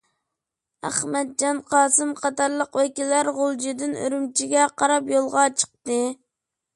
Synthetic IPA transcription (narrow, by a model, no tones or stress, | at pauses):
æ̰χmɛt̪̚d͡ʒɑnqʰɑːsɨmqʰɑt̪ɑɾlˠəqwɛkʲilːæɾʁolˠd͡ʒid̪ɪnø̰ɾymt͡ʃʰiɡʲɛqʰɑɾɑpjolˠʁɑt͡ʃʰə̥q̚t̪ɨ